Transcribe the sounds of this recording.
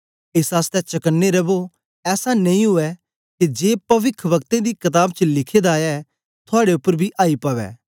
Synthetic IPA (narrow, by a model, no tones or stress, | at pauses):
ɪsɦaːst̪ɛt͡ʃɐkənːeɾɐbo | ɛːsanẽĩɦʊɛ | ked͡ʒeːpɐʋɪkʰʋɐkt̪ẽd̪iːkɐt̪aːbt͡ʃəlɪkʰeːd̪aːja | t̪ʰʊaːɽeʊpːəɾbʱiʔaːipəʋɛ̰ː